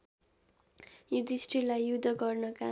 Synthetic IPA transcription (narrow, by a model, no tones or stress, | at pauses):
jud̪isʈrilajjud̪ʱʌɡʌrnʌka